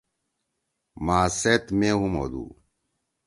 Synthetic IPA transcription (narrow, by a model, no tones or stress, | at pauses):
maːset̪meːɦumo̰ːd̪ṵː